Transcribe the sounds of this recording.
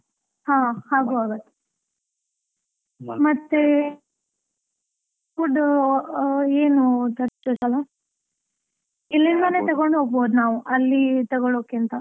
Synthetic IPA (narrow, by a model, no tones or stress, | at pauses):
hãːhaːɡuaːɡɐt̪ːe̥ | mɐt̪ːe | uɖ | eːnut̪ɐʈt̪osɐla | ilːind̪ɐneːt̪ɐɡoɳɖɦoːɡ̚boːd̪naːʋuʔɐlːit̪ɐɡoɭoːkint̪ɐ